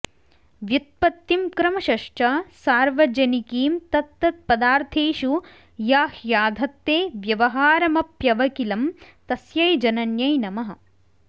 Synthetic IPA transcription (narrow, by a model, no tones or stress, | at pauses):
ʋjut̪̚pɐt̪ːimkɾɐmɐʃɐʂʈɐsaːɾʋɐd͡ʒɐnikiːmt̪ɐt̪ːɐt̪̚pɐd̪aːɾt̪ʰeːʃu | jaːhjaːd̪ʱɐt̪ːeːʋjɐʋɐɦaːɾɐmɐpjɐʋɐkilɐmt̪ɐsjɐjd͡ʒɐnɐnjɐjnɐmɐɦɐ̆